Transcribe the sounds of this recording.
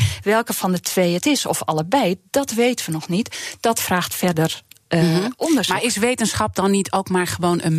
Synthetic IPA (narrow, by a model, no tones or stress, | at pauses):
ʋɛlˠkəfɔndətʰʋeːətɪsɔ̰fɑ̰lˠəbɛjd̥ɔtʋeːtəʋənɔxnitd̥ɔtfraːxtfɛrdər | ɔndəsmaɪsʋeːtənsχɑp̚dɔnːitʰoːkmaɹxəʋoːnʔə̰n